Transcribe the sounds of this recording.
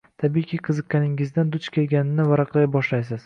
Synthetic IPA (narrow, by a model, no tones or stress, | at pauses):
t̪ʰabijkʲʰɪqʰɨzɨqʲːanɪŋɪzd̪and̪ʊt͡ʃkʲʰe̞lɡʲanɪnːɪvaɾɑqlˠajbɒʃlajs̬ɪz̥